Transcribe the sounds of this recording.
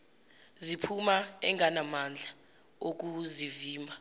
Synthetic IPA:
zipʰumaɛŋʱanamand͡ɮʱa | ok̬uziviːmbʱa

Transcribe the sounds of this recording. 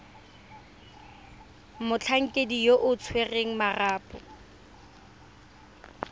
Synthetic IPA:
mʊt͡ɬʰaŋ̩kʼedijoʔʊt͡sʰwereŋ̩maraːpʼɔ̰

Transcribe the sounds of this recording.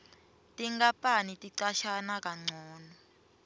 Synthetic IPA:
tʼiŋɡapʼanitʼiǀaʃanak̬ʼaŋ͡ǀʱɔːnɔ

